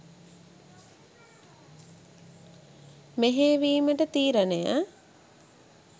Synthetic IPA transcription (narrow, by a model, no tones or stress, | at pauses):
meɦeːʋiːməʈət̪iːɾəneja